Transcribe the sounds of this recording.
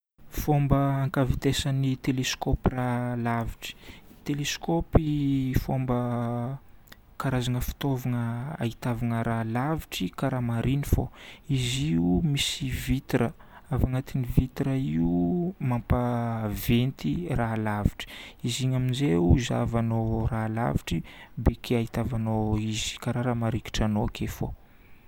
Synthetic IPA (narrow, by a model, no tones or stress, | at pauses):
fombəaŋkavit̪esanit̪eleskopiralaviʈ͡ʂi̥t̪eleskopifombə | kaɾazaŋəfi̥t̪ovanəa̰it̪avaŋəɾalaviʈ͡ʂikaɾamaɾinifo̰iziumisivit̪iɾəavaŋat̪inivit̪iɾəiumampavent̪iralaviʈ͡ʂi̥iziɲaminzeuza̰vanorala̰viʈ͡ʂibekʰeait̪avanoizi̥kaɾaɾamaɾiki̥ʈ͡ʂanokʰefo̰